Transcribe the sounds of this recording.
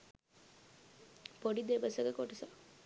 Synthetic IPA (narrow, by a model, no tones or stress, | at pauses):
poɖid̪eʋəsəɡəkoʈɐsa